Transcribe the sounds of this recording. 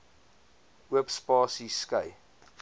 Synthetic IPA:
uəpspɑːsiskəj

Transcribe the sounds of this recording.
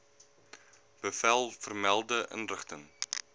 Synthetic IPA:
b̥əfælˠfərmælˠdəʔə̰nrəχtəŋ

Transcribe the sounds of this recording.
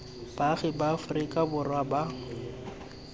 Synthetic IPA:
b̥aɣɪbaːfʊrikʼabʊrwaba

